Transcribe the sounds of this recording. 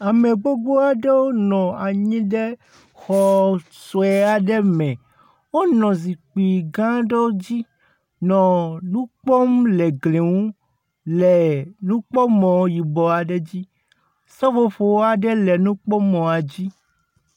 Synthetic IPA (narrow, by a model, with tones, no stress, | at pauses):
a˨mẽ˨ɡ͡bo˦ɡ͡bo˦a˨ɖe˦wo˦nɔ̃˨a˨ɲĩ˦ɖe˦ | xɔ˨so˨ɛ˨a˨ɖɛ˦mɛ̃˨ | wo˦nɔ̃˨zi˨k͡pi˨ɡã˦ɖe˦d͡ʑi˦ | nɔ̃˨nũ˦k͡pɔ˦mlɛ˨ɡle˨ŋũ˦ | lɛ˨nũ˦k͡pɔ˦mɔ̃˨˦ji˨bɔ˨a˨ɖɛ˦d͡ʑi˦ | sɔ˦ɸo˨ɸo˨wo˦a˨ɖɛ˦lɛ˨nũ˦k͡pɔ˦mɔ̃˨a˨d͡ʑi˦